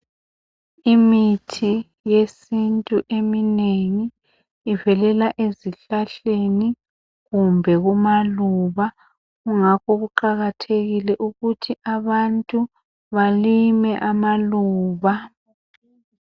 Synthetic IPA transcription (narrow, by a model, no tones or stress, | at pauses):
imitʰi | jesintʼuʔemineŋiː | vɛlɛlaʔeziɬaɬeni | ɣumbʱɛɣumaluβa | ɣuŋakʰɔɣuǃaɣatʰeɣilɛʔuɣutʰiʔaβantʼu | βalimɛʔamaluːβa